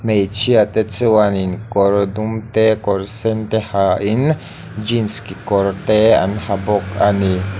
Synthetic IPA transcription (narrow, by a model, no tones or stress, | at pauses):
mejt͡ʃiat̪et͡siwaninkoɾd̪umt̪ekoɾsent̪ehaʔin | d͡ʒinskikoɾt̪ea̰nhabokani